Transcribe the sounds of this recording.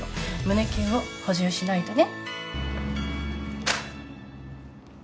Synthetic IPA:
mɯ̟ne̞kʲẽɰ̃oho̞ʑɯːɕinait̪one

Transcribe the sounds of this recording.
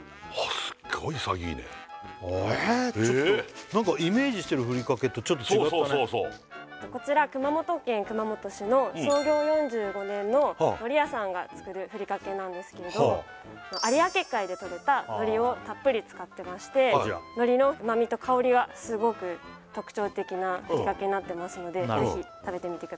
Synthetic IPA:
asɨ̥ɡoisa̰ɡʲḭːnḛ | t͡ɕnãŋkaime̞ːʑiɕi̥t̪e̞ɾɯ̟ɸɯ̟ɾʲikake̞t̪ːot͡ɕot̪̬ːooiaooso | t̪o̞ko̞t͡ɕiɾakɯ̟mamo̞t̪o̞kẽ̞ŋkɯ̟mamo̞t̪o̞ɕino̞so̞ːɡʲo̞ːjõ̞ɲ̟d͡ʑɨːɡo̞nẽ̞nːo̞no̞ɾʲijasãŋɡat͡sɨ̥kɯ̟ɾɯ̟ɸɯ̟ɾʲikake̞nãnd̪e̞sɨ̥ke̞ɾe̞d̪o | no̞ʔaɾʲiake̞kːaid̪e̞t̪o̞ɾe̞t̪anno̞ɾʲio̞t̪apːɯ̟ɾʲit͡sɨ̥kat̪ːe̞maɕi̥t̪e̞no̞ɾʲino̞mamʲit̪o̞kʰao̞ɾʲiɡasɨɡo̞kɯ̟ | t̪o̞kɯ̟̥t͡ɕo̞ːt̪e̞kʲinaɸɯɾikake̞ɲ̟inat̪ːe̞masɨno̞d̪e̞ze̞çʲit̪abe̞t̪e̞mʲit̪e̞kɯd̪

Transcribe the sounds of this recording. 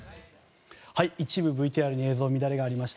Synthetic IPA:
haiit͡ɕibɯ̟bɯ̟it̪iːaɾɯ̟ɲ̟ie̞ːzo̞ːmʲid̪aɾe̞ɡaːɾʲimaɕi̥t̪

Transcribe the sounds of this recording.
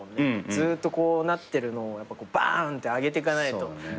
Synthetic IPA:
ned͡zɨːt̪ːo̞ko̞ːnat̪ːe̞ɾɯ̟no̞ːjapːako̞ːba̰nt̪ːe̞aɡe̞t̪̬e̞ikanait̪o̞

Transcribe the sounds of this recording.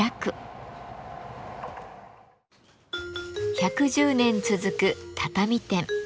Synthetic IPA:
akɯ̟ | çakɯ̟ʑɨːnẽ̞nt͡sɨzɨkɯ̟t̪ʰat̪amʲit̪ẽ̞ŋ

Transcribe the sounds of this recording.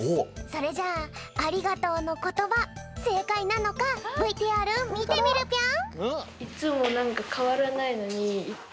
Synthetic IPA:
oso̞ɾe̞d͡ʑaːɾʲiɡat̪o̞ːno̞ko̞t̪o̞βase̞ːkainano̞kabɯit̪eaɾɯ̟mit̪emiɾɯ̟kʲã | it͡sɨmo̞nãŋkakʰaβaɾanaino̞ɲ̟iː

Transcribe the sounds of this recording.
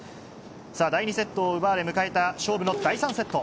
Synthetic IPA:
saːd̪aiɲ̟ise̞t̪ːo̞ːɯ̟baɾe̞mɯ̟kae̞t̪aɕo̞ːbɯ̟nod̪aisãɰ̃se̞t̪ːo

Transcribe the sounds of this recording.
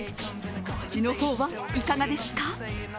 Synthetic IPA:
t͡ɕino̞ho̞ːβa | ikaɡad̪e̞sɨ̥ka

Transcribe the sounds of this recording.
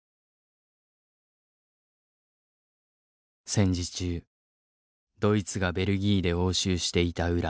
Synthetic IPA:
sẽ̞ɲ̟d͡ʑit͡ɕɨː | d̪̥o̞it͡sɨɡabe̞ɾɯ̟ɡʲiːd̪e̞o̞ːɕɨːɕi̥t̪e̞it̪aɯ̟ɾa

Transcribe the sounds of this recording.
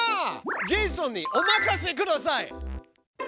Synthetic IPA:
d͡ʑisõɲːiʔomakaɕ̬ikɯ̟d̪asai

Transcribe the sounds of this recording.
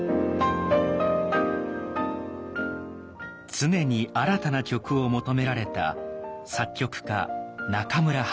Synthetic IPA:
t͡sɨne̞ɲ̟iaɾat̪anakʲo̞kɯ̟o̞mo̞t̪o̞me̞ɾaɾe̞t̪a̰sakʲːo̞kɯ̟̥ka̰nakamɯ̟ɾa

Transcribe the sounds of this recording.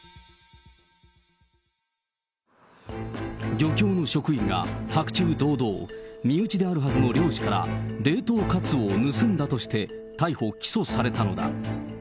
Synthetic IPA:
ɡʲo̞kʲo̞ːno̞ɕo̞kɯ̟ĩŋɡa̰hakɯ̟̥t͡ɕɨːd̪o̞ːd̪o̞ːmʲiɯ̟t͡ɕid̪e̞aɾɯ̟ɦazɨno̞ɾʲo̞ːɕi̥kaɾa̰ɾe̞ːt̪o̞ːkat͡sɨonɯ̟sɨ̃nd̪at̪o̞ɕi̥t̪e̞ | t̪aiho̞kʲi̥so̞saɾe̞t̪ano̞d̪a̰

